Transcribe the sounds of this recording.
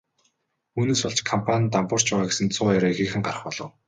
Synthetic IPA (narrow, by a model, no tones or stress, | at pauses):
uːneːsɔɮt͡ɕkʰampʰanʲt̪ampʊːr̥t͡ɕpæːʁaːɡesɘ̆nt͡sʰʊːaɾaːixeːxɘ̆ŋɢarə̆χpɔɮɞ̆w